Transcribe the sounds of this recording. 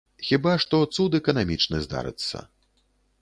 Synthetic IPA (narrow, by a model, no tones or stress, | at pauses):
xʲibaʂt̪ɔt̪sud̪ɛkɐnamʲit͡ʂnɨzd̪a̰ɾɨ̰t̪sːɐ̰